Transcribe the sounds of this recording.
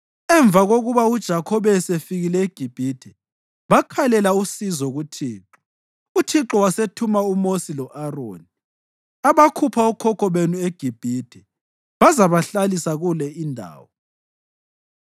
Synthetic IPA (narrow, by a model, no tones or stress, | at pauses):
ɛɱb̪vʱaɣoɣuβaud̥ʒ̥ʱakʰɔβɛsefiɣilɛiɡ̥ʱib̥ʱid̥ʱɛ | βakʰalɛlausizɔɣutʰiːǁɔ̥ | utʰiǁɔwasetʰumaumosilɔʔaro̰ːni | aβakʰupʰaɔkʰɔkʰɔβenueɡ̥ʱib̥ʱid̥ʱɛ | βazaβaɬalisaɣulɛindʱa̰ːwɔ